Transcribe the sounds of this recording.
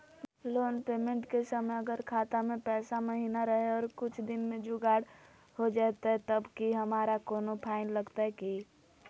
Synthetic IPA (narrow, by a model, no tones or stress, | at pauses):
loːnpeːmẽɳʈkesəməəɡəɾkʰaːt̪amẽpɛːsaməɦiːnaɾəɦeɔːɾkʊt͡ʃʰd̪ɪnmẽd͡ʒoɡaːɽ | hod͡ʒaɛt̪aɦɛt̪əbkiɦəmaːɾakoːnopʰaːɪnləɡt̪aeki